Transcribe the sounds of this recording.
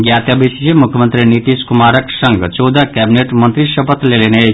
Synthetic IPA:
ɡjat̪jabisd͡ʒemukʰjəmənt̪ɾinit̪iskumaɾəksəŋɡt͡ʃod̪ʱakæbineʈmənt̪ɾisəpət̪lelene

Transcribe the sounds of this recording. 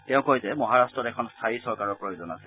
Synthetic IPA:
tɛʊ̃kojzɛmɔɦaɹastɹɔtɛkʰɔnst̪ʰaisɔɹkaɹɔɹpɹojozɔna̰sɛ

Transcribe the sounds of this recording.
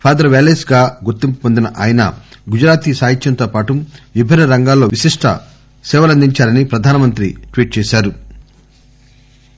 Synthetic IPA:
pʰaːd̪ɐɾɐʋeːleːsɡaːɡuɾt̪impupond̪inɐʔaːjnɐ̰ɡud͡ʒɾaːt̪isaːɦit̪jɐnt̪o̞ːpaːʈuʋibʱinːɐɾɐŋɡaːlːo̞ːʋisiʂʈʰɐ̰ | sɛːʋɐlɐnd̪iɲt͡ʃaːɾɐnipɾɐd̪ʱaːnɐmɐnt̪ɾḭʈʋiːʈ̚t͡ʃɛːʃaːɾu

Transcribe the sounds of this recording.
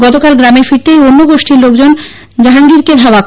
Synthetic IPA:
ɡɔt̪okalɡɾameɾfiɾt̪ejonːoɡoʃʈʰiɾlok̚d͡ʑon | d͡ʑaɦaŋɡiɾked̪ʱaoa

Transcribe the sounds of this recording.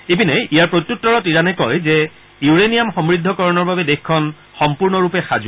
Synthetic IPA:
ebinɛjijaɹpɹot̪jutːɔɹɔtiɹanɛkɔjzɛ | juɹenijamxɔmɹid̪ʱːɔkɔɹɔnɔɹbabɛdexkʰːɔn | xɔmpuɹnɔɹupɛxaz

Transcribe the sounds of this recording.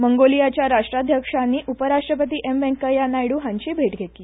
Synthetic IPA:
məŋɡolijat͡ɕjaɾaʂʈɾad̪ʱjəkʂanːiːʔupəɾaʂʈɾəpət̪iːʔembɛ̃ŋkəjanːajiɽuɦãɲt͡ɕiːbʱeʈɡʱet̪iː

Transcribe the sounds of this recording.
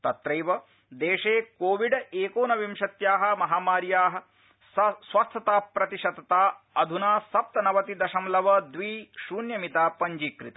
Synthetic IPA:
t̪ɐt̪ɾɐjʋɐ | d̪eːʂeːkoːʋiɖɐeːkoːnɐʋimʃɐt̪jaːɦɐ̆mɐɦaːmaːɾjaːɦɐ̆ | sɐsʋɐst̪ʰɐt̪aːpɾɐt̪iʃɐt̪ɐt̪aː | ɐd̪ʱunaːsɐp̚t̪ɐnɐʋɐt̪id̪ɐʃɐmlɐʋɐd̪ʋiːʃuːnjɐmit̪aːpɐɲd͡ʒiːkɾḭt̪ɐ

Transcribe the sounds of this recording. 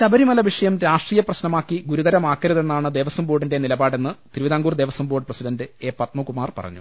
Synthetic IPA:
t̪ɐbɐɾimɐlɐʋiʂɐjɐmɾaːʂʈriːjɐprɐɕnɐmaːkːiɡuɾud̪ɐɾɐmaːkːɐɾɐðe̞nːaːɳɨd̪e̞ːʋɐsɐmboːɽinde̞nilɐbaːɽenːɨt̪ɾiʋiðaːŋɡuːrd̪e̞ːʋɐsɐmboːɽɨprɐsidɐndɨe̞ːpɐt̪mukumaːrpɐ̰rɐ̰ɲːṵ

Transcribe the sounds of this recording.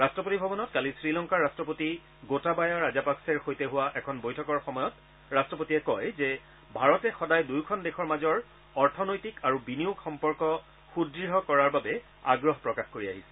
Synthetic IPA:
ɹastɹɔpotibʱɔbɔnɔtkalisɹilɔŋkaɹastɹɔpoti | ɡotabajaɹazapaksɛɹxojteɦʊwaʔɛkʰɔnbojtʰɔkɔɹxɔmɔjɔt | ɹastɹɔpotiɛkɔjzɛ | bʱaɹɔtɛxɔdajdujkʰɔndexʰɔɹmazɔɹ | ɔɹtʰɔnojtikaɹubinijuɡxɔmpɔɹkɔ | xudɹiɦɔkɔɹaɹbabɛ | a̰ɡɹɔɦpɹɔkaxkoɹia̰ɦisɛ̥

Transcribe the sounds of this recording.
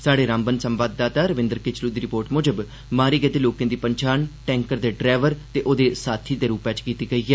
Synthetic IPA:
saːɖeːɾãːmbənsəmʋaːd̪ːaːt̪aːɾəʋɪ̃nd̪əɾkɪt͡ʃluːd̪iːɾɪpoːɾʈmoːd͡ʒəb | maːɾiːɡət̪eːloːkẽːd̪iːpəɲt͡ʃaːnʈɛ̃ːŋkəɾd̪eːɖɾɛːʋəɾt̪eːʔoːd̪eːsaːt̪ʰiːd̪eːɾuːpɛ̃ːt͡ʃkiːt̪iːɡəiːɡɛː

